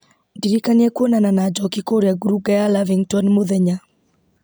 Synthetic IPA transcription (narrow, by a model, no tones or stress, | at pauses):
diɾikanakwonananad͡ʒɔkikoɾjaɡuɾuɡajalaviŋtɔnmoðɛɲa